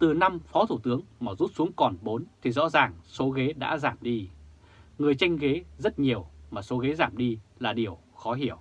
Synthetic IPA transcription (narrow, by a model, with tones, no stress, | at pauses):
t̪ɨ˨˩na˧mfɔ˨˦t̪ʰu˧˩t̪ɨ˨˦əŋmaː˨˩zu˦˥t̚su˨˦əŋkɔ˨˩nɓo˨˦nt̪ʰi˨˩zɔ̰˧˥zaː˨˩ŋso˨˦ɣe˨˦ɗa̰ː˧˥zaː˧˩mɗi˧ | ŋɨ˨˩əjt͡ɕa˧jŋ̟ɣe˨˦zə˦˥t̚ɲi˨˩əwmaː˨˩so˨˦ɣe˨˦zaː˧˩mɗi˧laː˨˩ɗi˨˩əw | xɔ˨˦ɦi˧˩˨əw